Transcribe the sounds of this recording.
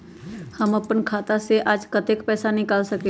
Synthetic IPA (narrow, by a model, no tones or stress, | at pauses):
həməpənkʰaːt̪aseʔaːd͡ʒkət̪ekpɛːsanɪkaːlsɐke